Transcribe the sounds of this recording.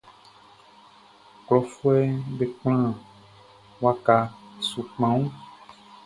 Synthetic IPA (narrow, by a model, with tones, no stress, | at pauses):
klɔ˨fu˦ɛ˦ɖe˨k͡pl̃ã˦ | wa˦ka˨su˨k͡pã˨ŋũ˦